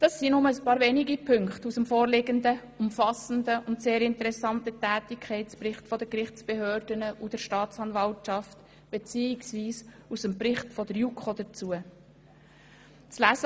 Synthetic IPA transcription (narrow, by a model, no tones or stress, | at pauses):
d̥ɑsːinʊməəspɑːɾveːniɡipʰɵŋkχtusəmfoːɾlɪɡəndə | ʊmfɑsən̩dəʔʊntseːɾɪntəɾɛsɑntətɛːtɪkʰχɛɪtsprɪχtfɔd̥əkrɪχt͡sb̥eɦøːɾdənəʔud̥əɾʃtɑːt͡sɑnvɑltt͡ʃɑft | b̥et͡siːɪksviːs | usəmpɾɪχtfɔd̥əɾjukχod̪ət͡suə | t͡slæzə